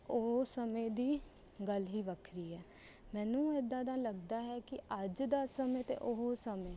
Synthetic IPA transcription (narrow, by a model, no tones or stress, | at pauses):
oɦsəmẽːd̪iː | ɡəlɦiːʋəkʰɾiːɦɛː | mɛ̃ːnũːed̪ãːd̪ãːləɡd̪aːɦɛːkɪəd͡ʒd̪aːsəmẽːt̪ḛːʔoɦosəmẽː